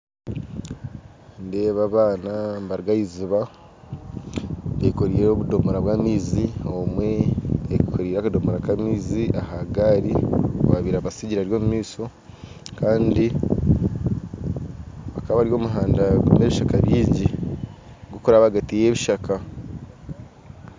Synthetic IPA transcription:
ndeːβaβaːnambaɾɡajiziβa | eikoɾiːɾo̞βudo̞moɾaβwaːmiːziomweːkikoɾiːɾakado̞moɾakamiːziʔahaɡaɾioβaβiɾaβasiɟiɾaɾjo̞ːmumiːso̞ | kaːndi | βakaβaɾjo̞ːmuɦaːndaɡumeβiʃakaβiːɲɟi | ɡokuɾaβaɡatije̞βiʃaka

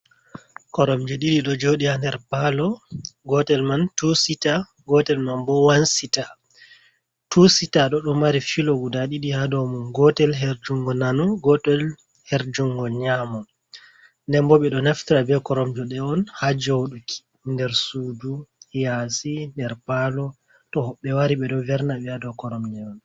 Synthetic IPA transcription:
kɔɾɔmd͡ʒɔɗiɗiɗɔd͡ʒoɗihandɛɾbalɔɡɔtɛlmantusita | ɡɔtɛlmanbɔwansita | tusitaɗɔɗɔmaɾifilɔɡudaɗiɗihadɔmunɡɔtɛlɦeɾd͡ʒuŋɡɔnanuɡɔtɛl | heɾd͡ʒuŋɡɔlɲamɔ | ndɛmbɔɓɛɗɔnaftiɾabɛkɔɾɔmd͡ʒɔɗɛɔnhad͡ʒowɗukʰi̥ | ndɛɾsuduhjasindɛɾpalɔ | tɔhɔɓːɛwaɾiɓɛɗɔvɛɾnaɓɛadɔkɔɾɔmd͡ʒɛɔn

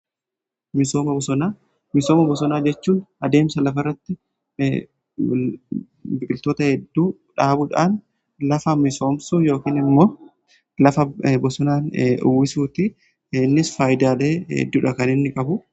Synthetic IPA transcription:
mɪso̞ːmɐbɔsɔnaː | mɪso̞ːmɐbɔsɔnaːd͡ʒɛt͡ʃːuːnɐd̪e̞ːmsɐlɐfɐrːɐt̪ːɪ | bɪkʼɪlt̪o̞ːt̪ɐhɛd̪ːuː | ᶑaːbʊᶑaːn | lɐfɐmɪso̞ːmsujo̞ːkiːnɪmːo̞ː | lɐfɐbɔsɔnaːnʊ̰wɪsuːt̪ɪ | nːɪsfaːjɪd̪aːleːhɛ̰d̪ːuːᶑɐkɐnɪnːɪkʼɐbʊ

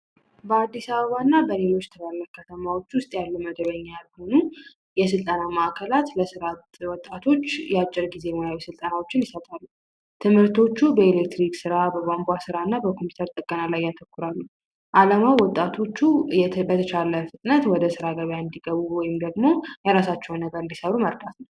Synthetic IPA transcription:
bəad̪ːisaβəβanːabəle̞lo̞t͡ʃːt̪ʰɨβaɾləkʰːət̪ʰəmawo̞t͡ʃːwʊst̪ʼjalːuməd̪bəɲːalho̞nu | jɛs̬ɨlt̪ʼənamaʔakʰəlat̪ləsɨɾat̪ | wɔt̪ʼːat̪ʰo̞t͡ʃːjɛat͡ʃʼːɪɾɡize̞mojawisɨlt̪ʼənawot͡ʃːɪnjɪsət̪ʼalːu | t̪ʰɨmhɨɾt̪ʰo̞t͡ʃːubəelek̚t̪ɾiksɨɾabəɡambʷasɨɾanːabəkʰo̞mpi̥ut̪ʰəɾt̪ʼəkʼːənalajːat̪ʰəkːʊɾalːu | ʔalamawwɔt̪ʼːat̪ʰo̞t͡ʃːubət̪ʰət͡ʃaləfɨt̪ʼɨnət̪wɔd̪əsɨɾaɡəβjaɨnd̪iɡəβuwɔjɪmd̪əɡmo̞jaɾasat͡ʃːɛwnːəɡəɾɨnd̪isəɾɾuməɾd̪at̪nəw

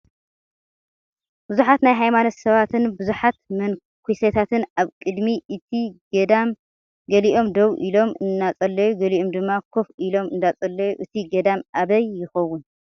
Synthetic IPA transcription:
b̥ɨzuħat̪najɦajmanot̪sɐβat̪ʰɨnbɨzuħat̪mɐn | kʰujsɐt̪ʰat̪ʰɨnaβkʼɨd̪miʔɨt̪ʰi | am | ɡɐliʔo̞md̪ɐwʔilo̞mɨnːat͡sʼɐlːɐjuɡɐliʔomd̪ɨmːakʰofilo̞mɨnd̪at͡sʼɐlːɐjuʔɨt̪ʰiɡɐd̪amʔaβɐjːɪxɐwːʊn

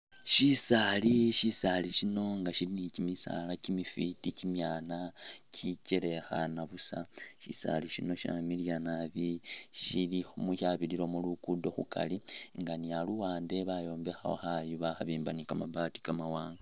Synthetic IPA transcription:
ʃisaliʃisaliʃino̞ŋɡaʃilinicimisa̰lacimifiticimjaːnacʰicele̞xa̰naβusaʃḭsa̰liʃino̞ʃa̰miljanaβiʃilixomuʃaβiliɾo̞mulukudo̞xṵka̰liŋɡanialuwaːnde̞βajo̞ːmbe̞xa̰o̰xajuβaxaβiːmbanikamabati̥kamawaːŋɡa

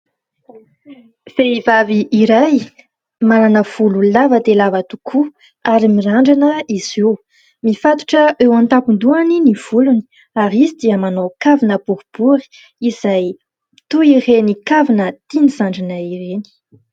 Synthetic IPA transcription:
v̥eivaviʔiɾaj | malanəv̥ululavəd̪elavət̪u̥kʰu | aɾimiɾaɳɖ͡ʐanəiziw | mifat̪u̥ʈ͡ʂəʔewãnt̪apund̪uaniniv̥uluni̥ | aɾizid̪iəmanokavinəbuɾub̥uɾi̥ | iz̥aj | t̪uirenikavinət̪inizaɳɖ͡ʐanəireni̥

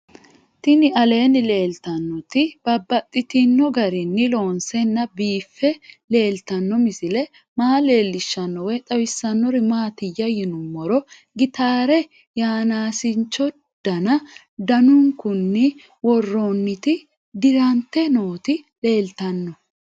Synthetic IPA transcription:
t̪ɪnɪɐle̞ːnɪle̞ːlt̪ɐnːɔt̪ɪb̥ɐbːɐt̪ʼːɪt̪ɪnːɔɡɐɾɪnːɪlo̞ːnsɛnːɐbiːfːɛle̞ːlt̪ɐnːɔmɪsɪlɛ | maːle̞ːlːɪʃːɐnːɔwɛt̪ʼɐwɪsːɐnːɔɾɪmaːt̪ɪjːɐjɪnʊmːɔɾɔ | ɡɪt̪aːɾɛ | jaːnaːsɪnt͡ʃːɔ | d̪̥ɐnɐ | d̪ɐnʊŋkʊnːɪ | wɔrːonːɪt̪ɪ | d̪ɪɾɐnt̪ːɛno̞ːt̪ɪle̞ːlt̪ɐnːɔ

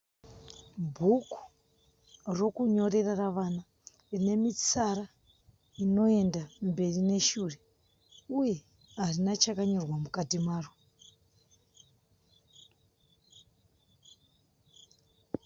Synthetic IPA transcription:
bʱuku̥ | ro̞kuɲo̞re̞raraʋana | rine̞mit͡sara | ino̞e̞ndambe̞rine̞ʃuːre̞ | uje̞ | ɦarinat͡ʃakaɲo̞rwamukatimaːro

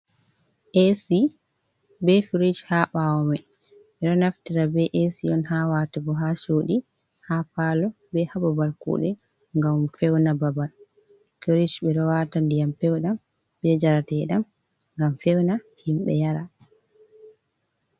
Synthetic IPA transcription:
ʔesi | bɛfiɾid͡ʒhaɓawɔmɛ | ɓɛɗɔnaftiɾabɛʔesiʔɔnhawatɛbɔɦasoːɗi | hapaːlɔ | bɛhababalkṵːɗɛ | ŋɡamfɛwnababal | fiɾid͡ʒbɛɗɔwatandijamfɛwɗam | bɛd͡ʒaɾatɛɗam | ŋɡamfɛwnahimɓɛ̰jaɾa

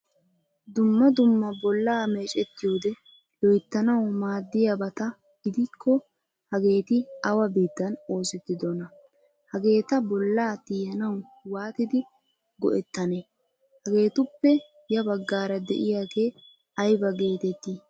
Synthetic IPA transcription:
d̪ʊmːɐd̪ʊmːɐbɔlːaːme̞ːt͡ʃʼɛt̪ːɪjoːd̪ɛ | lɔjt̪ːɐnɐwmaːd̪ːɪjɐbɐt̪ɐ | ɡɪd̪ɪkʰːɔ | hɐɡe̞ːt̪ɪɐwɐbiːt̪ːɐno̞ːsɪt̪ːɪd̪ɔnɐ | hɐɡe̞ːt̪ɐbɔlːaːt̪iːjɐnɐw | waːt̪ɪd̪ɪ | ɡɔ̰ʔɛt̪ːɐne | hɐɡe̞ːt̪ʊpːɛ | jɐbɐɡːaːɾɐd̪ɛ̰ʔɪjaːɡe̞ː | ɐjbɐɡe̞ːt̪ɛt̪ːi

